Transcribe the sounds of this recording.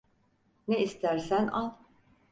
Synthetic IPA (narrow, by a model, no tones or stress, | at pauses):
neist̪ʰæɾsænalˠ